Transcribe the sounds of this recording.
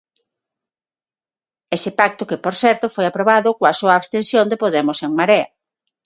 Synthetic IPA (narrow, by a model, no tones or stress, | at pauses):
esɪpak̚t̪ʊkɪpoɾθɛɾt̪ʊfojapɾoβaðʊkoasoaːβst̪ensjond̪epoðemʊseŋmaɾea